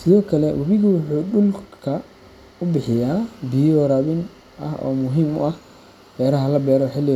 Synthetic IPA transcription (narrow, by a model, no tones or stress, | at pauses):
sɪðɔːkʰɐlɛwʔɐβɪɣɐwʊħuːɗʊlkʰɐ | ʊbɪħɪjaːbiɔɾɐβɪn | ʔɐ̰hɔ̰ːmʊɦiːmʊ̰ʔɐh | bɛːɾɐɦɐlɐbɛːɾɔħɪlɪ